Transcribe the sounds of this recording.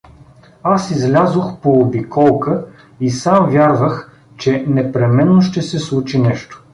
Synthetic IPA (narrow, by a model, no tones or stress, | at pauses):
asizlʲazoxpoːbikʰɔlˠkə | isamvʲjaɾvəx | t͡ʃɛnɛpɾɛmɛnːoʃt̪ɛsɛslˠut͡ʃinɛʃt̪o̥